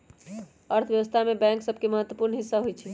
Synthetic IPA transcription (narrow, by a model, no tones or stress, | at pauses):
əɾt̪ʰjəʋəst̪ʰamebɛ̃ŋksəbʱkeməɦət̪ːwəpuɾnɦisːaɦojt͡ʃʰi